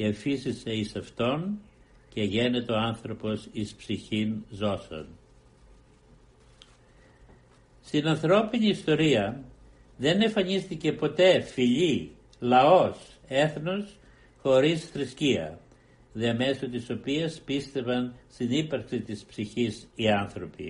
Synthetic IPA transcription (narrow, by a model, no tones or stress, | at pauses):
efisiseisɐft̪o̞n | ce̞ʝe̞ne̞t̪eo̞ɐnθɾo̞po̞sispsiçinzo̞sɐ̰n | st̪inɐnθɾo̞piniːst̪o̞ɾiɐ | ðe̞ne̞ɱfɐɲist̪ice̞po̞t̪e̞fiʎi | lɐo̞s | e̞θno̞s | xo̞ɾisθɾisciɐ̰ | ðiɐme̞sot̪iso̞piɐspist̪e̞vɐnst̪inipɐɾksit̪ispsiçisiɐnθɾo̞pḭ